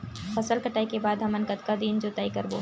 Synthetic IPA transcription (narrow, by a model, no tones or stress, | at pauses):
fɐsəlkɐʈaːikebaːd̪ɦɐmɐnkət̪kad̪iːnd͡ʒot̪aːikɐɾbo̰ː